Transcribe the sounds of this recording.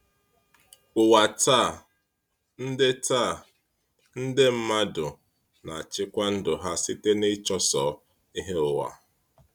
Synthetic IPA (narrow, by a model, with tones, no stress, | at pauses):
ʊ˨wa˨ta˦˨ | n̩˦dɪ˦ta˦˨ | n̩˦dɪ˦m̩˦ma˦dʊ˨ | na˨a˨t͡ʃɪ˦kʷa˦n̩˦dʊ˨ɦa˦sɪ˦te˦nɪ˦t͡ʃɔ˦sɔ˨˦ | i˦ɦe˦ʊ˨wa̰˨